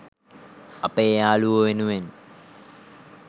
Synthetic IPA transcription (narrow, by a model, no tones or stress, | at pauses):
ɐpejaːluʋəʋenuʋen